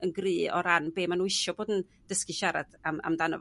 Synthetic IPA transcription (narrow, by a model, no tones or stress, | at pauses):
ənɡrɨːɔ̰ɾanbeːmanuːɪʃɔboːdən | d̥əskɨʃaɾa̰d̥ama̰mdanɔ̰v